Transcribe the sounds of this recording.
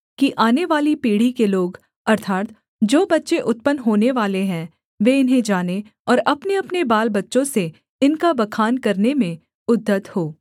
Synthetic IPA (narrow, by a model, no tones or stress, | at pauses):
kiʔaːneʋaːlipiːɽ̤ikeloːɡ | ɐɾt̪ʰaːt̪ | d͡ʒoːbɐtːʃeʔʊt̪pənɦoːneʋaːleɦɛ̃ː | ʋeɪnɦẽd͡ʒaːne | ɔːɾɐpneɐpnebaːlbɐtːʃõse | ɪnkabɐkʰaːnkɐɾnemẽ | ʊd̪ʱːət̪hoː